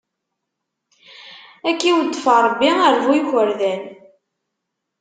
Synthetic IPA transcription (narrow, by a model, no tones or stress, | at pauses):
ækːiwəd̪ːfɑɾˤbːiəɾvujxəɾðæn